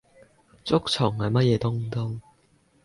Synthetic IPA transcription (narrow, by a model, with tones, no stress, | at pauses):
t͡sʊ˥k̚t͡sʰʊ˨˩ŋhɐ˨˩jmɐ˥t̚jɛː˨˧t̪ʊ˥ŋt̪ʊ˥ŋ